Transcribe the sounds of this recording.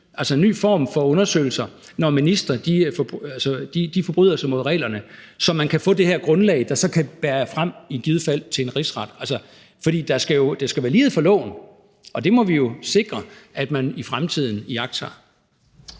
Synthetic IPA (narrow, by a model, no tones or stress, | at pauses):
ʔælsɒenːy̰ːfɒ̰ːmfɒ̽ɔ̽nɐsø̰ɪl̩sɐ | nɒminisd̥ʁɐd̥ifɒbælsəd̥id̥ifɒ̽b̥ʁy̰ð̰ˠɐsɑ̈ɪmo̝ðˠʁɛ̰ːlɐnəsɒ̽mːænkʰæfɔ̰̽ːd̥e̝heɐɡ̥ʁɔ̽nlɛ̰ɪd̥ɑ̈sɒ̽kʰæb̥æːɐfʁam̰iɡ̥ið̞ˠfæl̰t͡sʰe̝le̝nʁisʁɑ̈d̥ælsə | fɒd̥ḭːd̥ɑ̈sɡ̥æjo̝d̥esɡ̥æʋæːɐliːð̩ˠfɒ̽lɔ̰̽ːʊn | ʔɒ̽d̥e̝mɒ̽ʋijo̝se̝ɡ̥ʁɐʔæd̥mænifʁamt͡sʰið̞̰ˠn̩iɑ̈ɡ̥sʰɑ